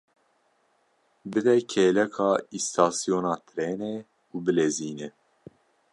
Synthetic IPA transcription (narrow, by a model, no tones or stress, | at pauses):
bɨd̪ɛkʰeːlɛkʰɑːist̪ʰɑːsijoːnɑːt̪ʰɾeːnɛ | ubɨleːziːnɛ